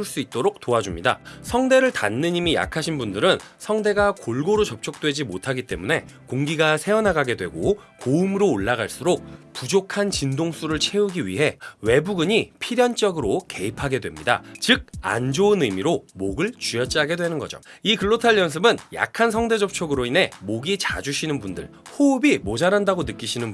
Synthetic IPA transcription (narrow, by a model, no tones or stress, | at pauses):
ɭs͈uit̚t͈oɾok̚t͈oad͡ʑumɲida̰sʰʌŋde̞ɾɯɭtanːɯɲimija̰kʰaɕʰinbundɯɾɯnsʰʌŋde̞ɡakoɭɡoɾot͡ɕʌp̚t͡ɕʰok̚t͈we̞d͡ʑimotʰaɡit͈e̞̰mune̞koŋɡiɡasʰe̞ʌnɦaɡaɡe̞dwe̞̰ɡokoumɯɾoːɭːaɡaɭs͈uɾok̚pud͡ʑokʰant͡ɕindoŋs͈uɾɯɭt͡ɕʰe̞uɡiɥḭɦe̞we̞buɡɯɲipʰiɾjʌnt͡ɕ͈ʌɡɯɾoke̞ipʰaɡe̞dwe̞mɲida̰t͡ɕɯk̚a̰nd͡ʑoɯnɯmiɾomoɡɯɭt͡ɕujʌt͡ɕ͈aɡe̞dwe̞nɯnɡʌd͡ʑo̰ikɯɭːotʰaɭjʌns̬ʰɯbɯnja̰kʰansʰʌŋde̞d͡ʑʌp̚t͡ɕʰoɡɯɾoinɦe̞moɡit͡ɕad͡ʑuɕʰinɯnbundɯ̰ɭhoɯbimod͡ʑaɾandaɡonɯk͈iɕʰinɯn